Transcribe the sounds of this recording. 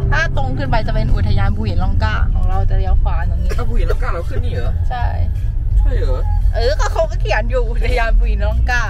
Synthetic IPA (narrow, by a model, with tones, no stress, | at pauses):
t̪ʰaː˥˩t̪o˧ŋkʰɯː˧˩np̬a˧jt͡ɕa˨˩pe˧nʔu˧˩t̪ʰa˧jaː˧nbuː˧˩hi˨˩˦nlɔː˧˩ŋkaː˧˩kʰɔː˩˦ŋɾa˧˩wt͡ɕa˨˩ɾi˧˩ə˧kʰwaː˧˩nja˨˩ŋːniː˧˩a˧˩bu˧hi˨˩˦nlɔ˧˥˩ŋkaː˧˥˩la˧kʰɯː˧˥˩nːiː˧˩ʔːt͡ɕʰa˥˩jʰ | a˥˩ɤ˨˦ʔɤː˧˩kɔː˥˩kʰa˦˥wka˥˩kʰi˨˩˦ə˦njuː˨˩ʔu˧˩t̪ʰa˧jaː˧nbuː˧˩hi˨˩˦nlɔ˧˥˩ŋkaː˧˥˩